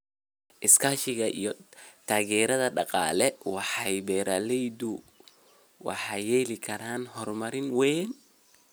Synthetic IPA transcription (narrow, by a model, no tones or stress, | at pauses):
ʔɪskʰaːʃɪɣɐʔḭjɔt̪ʰaːɣɛːɾɐðɐɖɑqɑ̰ːlɛwɑħɑjbɛːɾʔaːlɛjd̪ʊ | wɑ̰ħɑjɛːlɪkʰɐɾaːnɦɔrmɐɾɪnwɛːn